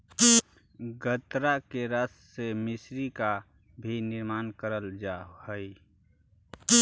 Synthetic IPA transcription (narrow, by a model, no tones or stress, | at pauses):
ɡʱət̪ɾakeɾəsːemɪsɾika | bʱinɪɾmaːnkəɾəld͡ʒahəi